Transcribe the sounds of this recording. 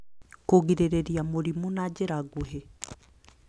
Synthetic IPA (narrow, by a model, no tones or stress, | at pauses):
koɣiɾeɾeɾiamoɾimunad͡ʑeɾaɣoɦe